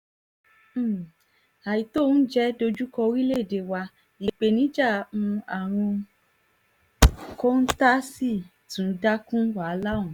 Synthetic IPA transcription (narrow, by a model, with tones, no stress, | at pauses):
a˨ji˨˦to˦˨˦n̩˦d͡ʒɛ˦do˧d͡ʒu˦kɔ˧ɾi˦le˦˨de˧˨wa˧ | i˧k͡pe˧˦nĩ˨˦d͡ʒa˦˨mũ˧a˨ɾ̃ũ˧ | ko˦n̩˦ta˦si˦˨ | tũ˨˦da˦kũ˦wa˨˧˦la˦ũ˨